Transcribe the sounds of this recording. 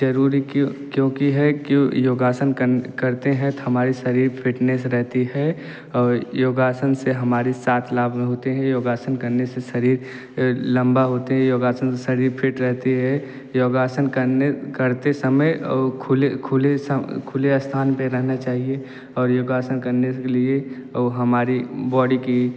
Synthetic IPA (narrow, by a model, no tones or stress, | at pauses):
d͡ʒɐɾuːɾikkjõːkiɦɛkjoːɡaːsənkəkɐɾt̪eɦɛ̃t̪oɦɐmaːɾiʃɐɾiːɾpʰɪʈnesɾɛɦt̪iɛ | ɔːɾjoːɡaːsənseɦɐmaːɾisaːt̪ʰlaːbmẽɦoːt̪eɦɛ̃joːɡaːsənkɐɾneseʃɐɾiːɾ | lɐ̃mbaɦoːt̪eɦɛ̃joːɡaːsənseʃɐɾiːɾpʰɪʈɾɛɦt̪iɦɛ | joːɡaːsənkəɾnekɐɾt̪esɐməjkʰʊlekʰʊlesəkʰʊleəst̪ʰaːnpẽɾɛɦnat͡ʃaːɦie | ɔːɾjoːɡaːsənkɐɾneelie | ɦɐmaːɾibɔːɖiki